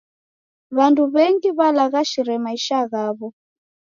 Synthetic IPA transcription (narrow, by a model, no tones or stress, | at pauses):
βanduβɛŋɡiβalaɣaʃiɾɛmaiʃaɣaːβɔ